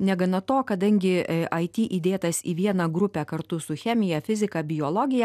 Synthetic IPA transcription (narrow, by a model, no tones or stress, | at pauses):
nʲɛɡɐnɐt̪oːkɐd̪ɐŋʲɡʲɪʔɐɪt̪ʲiːʔid̪ʲeːt̪ɐsḭːʋʲiɛnɑːɡɾʊpʲæːkɐɾt̪ʊsʊxʲɛmʲɪjɛfʲɪzʲɪkɑːbʲɪjoːlˠɔɡʲɪjɛ